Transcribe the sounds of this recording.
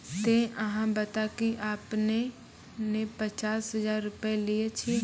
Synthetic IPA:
t̪eʔɐɦãbət̪akiʔaːpne | nepət͡ʃaːsɦɐzaːɾːʊpeliet͡ʃʰi

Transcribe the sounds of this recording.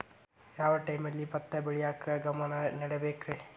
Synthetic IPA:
jaːʋɐʈɐjmɐlːipɐt̪ːɐbeɭijaːkɐɡɐmɐnɐnɐɽebeːkɾe

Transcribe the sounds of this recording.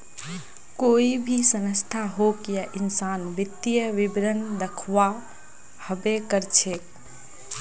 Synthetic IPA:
koibʱisənəst̪ʰaɦokjaʔinsanʋit̪ːijəʋibɾənd̪əkʰʋa | həbekəɾt͡ʃʰek

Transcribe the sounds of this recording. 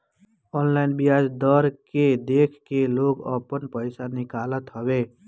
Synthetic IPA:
ɔnlainbijad͡ʒd̪əɾked̪ekʰkeloɡə̰pənpəjsanikalət̪ɦəbe

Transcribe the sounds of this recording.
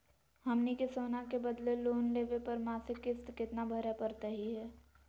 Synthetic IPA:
hɐmnikesoːnakebəd̪leloːnleːʋepɐɾmaːsɪkɪst̪kɪt̪nabʱɐɾapəɾt̪əɦiɦɛː

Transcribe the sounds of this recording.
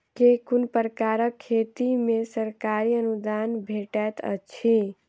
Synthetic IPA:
kekunpəɾkaɾəkʰːet̪imesəɾkaɾiənud̪anbʱeʈɛt̪ə̰t͡ʃʰi

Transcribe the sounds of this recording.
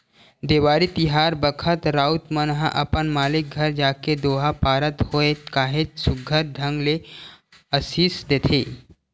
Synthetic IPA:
d̪eːwaːɾit̪ɪɦaːɾbəkʰət̪ɾaːʊt̪mənɦãʔɐpənmaːlɪk̚ɡʱɐɾd͡ʒaːked̪oːɦapaːɾət̪hoet̪kaːɦet̪sʊɡʱəɾ̚ɖ̪ʱə̃ŋɡle | əsiːsd̪eːt̪ʰeː

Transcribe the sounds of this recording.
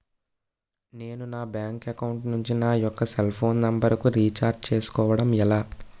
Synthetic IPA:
ne̞ːnunaːbjaːŋkɐkɐwuɳʈnuɲt͡ʃinaːjɔkːɐselpʰo̞ːnːɐmbɐɾɐkuɾiːt͡ʃaːɾɖ̚t͡ʃe̞ːsu̥kɔːʋɐɽɐmɛlaː

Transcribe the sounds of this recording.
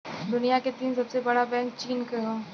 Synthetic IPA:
d̪ʊnijaket̪iːnsɐbsebɐɽabɛ̃ːŋkt͡ʃiːnkɐɦoː

